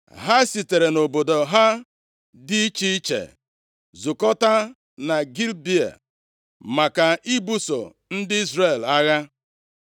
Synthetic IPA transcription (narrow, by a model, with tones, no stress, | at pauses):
ɦa˦si˨te˨ɾe˨no˨bo˨do˨ɦa˦ | dɪ˦i˦t͡ʃi˦t͡ʃḛ˨ | zu˨kɔ˦ta˦ | na˨ɡi˦lbi˦a̰˨ | ma˨ka˨i˦bu˦so̰˨ | n̩˦dɪ˦i˦zɾe˨la˦ɣa˦